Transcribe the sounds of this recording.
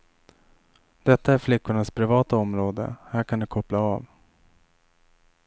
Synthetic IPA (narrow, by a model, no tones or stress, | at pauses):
d̪̥ɛt̪ːaæɾflɪkːʊɳaspʰɾɪvɑːt̪aɔmɾoːd̪ə̰hæːɾkʰand̪ɵkʰɔplaːv